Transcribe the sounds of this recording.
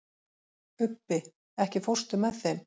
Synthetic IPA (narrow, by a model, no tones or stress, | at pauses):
ʏpːɪ | ɛhcɪfor̥st̪ʏmɛðθejm